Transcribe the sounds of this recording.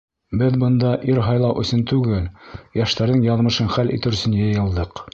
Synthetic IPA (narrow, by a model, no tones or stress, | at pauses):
bɘðbɤ̆nd̪ɑʔiɾɦɑjlˠɑwʔɵ̆sɵnt̪ʉɡɘljæʃt̪æɾðɘŋjɑðmɤ̆ʃɤnχælʔḭt̪ɘ̆ɾsɘnjɤ̆jɤ̆lˠd̪ɤq